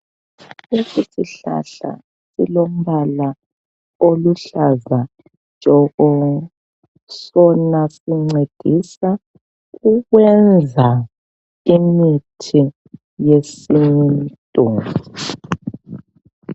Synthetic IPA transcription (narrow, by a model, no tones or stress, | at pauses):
lesisiɬa̰ɬa̰ | silom̩βala | oluɬaza | d͡ʒʼʱɔɣɔ | sɔnasiŋ͡ǀed̥ʱisa | ɣuɣwɛnd͡zʱa | imitʰi | jesintʼu